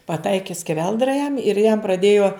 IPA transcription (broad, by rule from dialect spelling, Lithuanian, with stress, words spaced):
pɐˈtɐɪkʲɪ sʲkʲɛˈʋʲɛlˠdrɐ jɛm ɪr jɛm prɐˈdʲeːjoː